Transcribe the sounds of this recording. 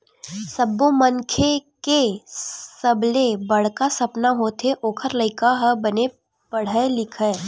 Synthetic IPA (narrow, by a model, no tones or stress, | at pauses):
sɐbːoməŋkʰeke | sɐblebɐɽ̤kasɐpnaɦoːt̪ʰeʔoːkʰəɾlɐɪkaɦəbɐne | pɐɽ̤əelɪkʰəː